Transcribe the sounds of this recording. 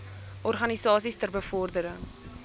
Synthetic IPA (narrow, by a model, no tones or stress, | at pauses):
ʔɔrχɐnisɑːsistərbəfɔrdəɾəŋ